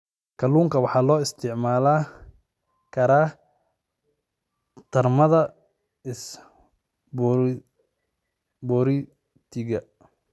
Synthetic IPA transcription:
kʰɐluːŋkʰɐwɑħɑːlɔːɪst̪ʰɪʕmaːlaː | kʰɐɾaː | t̪ʰɐrmɐðɐ | ɪs | b | bɔːɾɪ | t̪ʰɪɣɐ

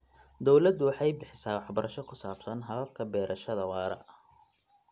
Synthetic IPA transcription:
d̪ɔwlɐd̪ʊwɑħɑjbɪħɪsaːwɑħbɐɾʔɐʃɔkʰʊsaːb̥sɐnɦɐðɐlkʰɐbɛːɾʔɐʃɐðɐwɑːɾɐ̰ʔ

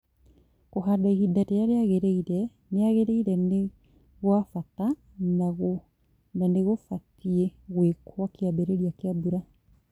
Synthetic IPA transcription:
koɦadaihidatejaɾeaɣeɾeiɾɛ | neaɣeɾeiɾɛne | ɣwafata | naɣo | naneɣofatieɣwekʰwakeabɛɾeɾiakeabuɾa

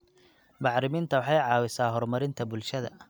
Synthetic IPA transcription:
bɑħɾɪmɪnt̪ʰɐwɑħɑjʕɑːwɪsaːɦɔrmɐɾɪnt̪ʰɐbʊlʃɐðɐ̰

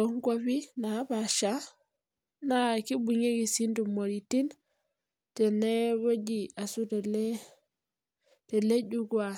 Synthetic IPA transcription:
ɔŋkofinabaʃa | nakibuɲeɡisintumoɾitin | tɛnɛbod͡ʒiasutɛlɛ | tɛleɟuɡwa

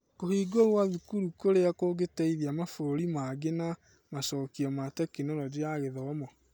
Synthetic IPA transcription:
kohiːɡoɣwaðukuɾukoɾeakoɡetɛiðiamafoɾoɾimaɡena | masɔːkiɔmatɛkinɔɾɔd͡ʒeaɣeðɔmɔ

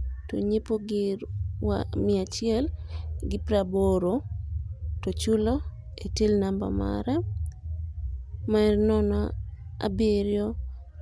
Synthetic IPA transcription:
to̰ɲepoɡɪwa̰mɪat͡ʃɪɛlɡɪpɾaboɾo | tot͡ʃulo | etilnamba̰ma̰ɾa | maɛrnɔnɔa̰beɾjo

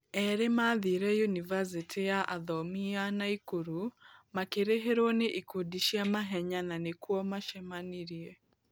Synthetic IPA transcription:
ɛɾemaːðiɾɛjunivas̬itʰijaʔaðɔmianaikuɾumakeɾeɦeɾoneʔikudiʃiamaɦɛɲananekuɔmaʃɛmaniɾiɛ

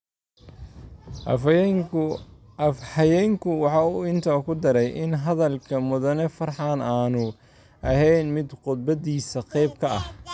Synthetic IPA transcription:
fħɑjɛŋkʰʊwɑħɑːuːɪnt̪ʰaːkʰʊd̪ɐɾɛjʔɪnɦɐðɐlkʰɐmʊðɐnɛfɐrħɑːnaːnʊ | ʔɐɦɛjnmɪd̪qʊd̪̚bɐðiːsɐqɛjbkʰɐɐh

